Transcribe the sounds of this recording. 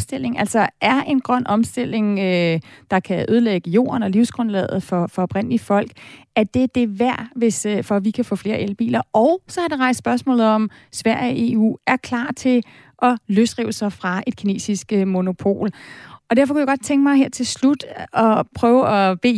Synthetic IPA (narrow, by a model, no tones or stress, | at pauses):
sd̥e̝l̰e̝ŋʔæl̰sɒ̽ʔæɐʔe̝nɡ̥ʁɶn̰ɒ̽msd̥e̝l̰e̝ŋød̥ɑ̈kʰæʔøð̞ˠleɡ̥əjo̝̰ːɐnɒ̽liʊsɡ̥ʁɔ̽nlɛ̰ð̩ˠfɒ̽fɒ̽ɒ̽b̥ʁen̰liəfɒ̽l̰ɡ̥æɐd̥e̝d̥e̝ʋæɐ̰ʋe̝sfɒ̽ʋikʰæfɔ̰ːfle̝ːɐʔelb̥ḭːlɐɒʊsɒ̽hɑ̈deʁɑ̈ɪssb̥ɶɐsmɔ̰ːlð̩ˠɒ̽m | sʋæɐ̰jʔe̝ːṵːæɐkʰlɑ̰̈ːt͡sʰe̝l | ʔɒ̽løsd̥ʁiʊsɑ̈ɪfʁɑ̈e̝d̥kʰine̝̰ːsisɡ̥əmo̝no̝pʰo̝̰ːlɒ̽dæɐfɒ̽kʰujaɡɒ̽d̥̚t͡sʰeŋɡ̥mɑ̈ɪɦeɐ̰t͡sʰe̝lslud̥ɒ̽pʰʁœːʊɒ̽b̥e̝̰